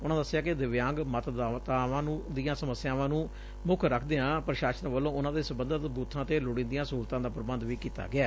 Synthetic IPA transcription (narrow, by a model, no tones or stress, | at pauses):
ʊnãːd̪əsːɪjaːkɪd̪ɪʋjãːŋɡmət̪d̪at̪aːʋãːnũːd̪ɪjãːsəməsːjãːʋãːnũː | mʊkʰɾəkʰd̪eːãːpɾəʃaːʃənʋəlːõːʊnãːd̪eːsəbənd̪ət̪buːt̪ʰːãːt̪eːlʊɽĩːnd̪ijãːsuːlt̪ãːd̪aːpəɾəbənd̪ʋiːkiːt̪a̰ːɡɪaː